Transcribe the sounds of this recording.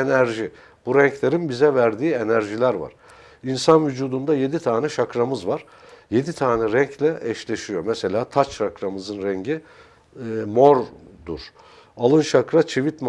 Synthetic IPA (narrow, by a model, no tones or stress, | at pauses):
enæɾʒi | b̥uɾɛɲclʲe̞ɾinbizɛvæɾd̪iːe̞næɾʒilʲæɾva̰ɾ̥ | insanvyd͡ʒuːd̪und̪aje̞d̪it̪ʰaːnɛʃakɾamɯzvaɾ̥ | je̞d̪it̪ʰaːnɛɾɛɲclʲɛʔɛʃlʲe̞ʃijo̞mɛse̞lʲaːt̪ʰat͡ʃakɾamɯzɯnɾɛɲɟi | mo̞ɾ | d̪uɾ̥ | alˠɯnʃakɾat͡ʃʰivit̪m